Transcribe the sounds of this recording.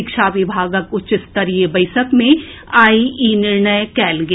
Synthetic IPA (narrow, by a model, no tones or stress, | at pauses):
ɪkʃaʋɪbʱaːɡəkʊt͡ʃɪst̪ɐɾiebɐɪsəkmẽaːiʔinɪɾɳəjkɛːlɡ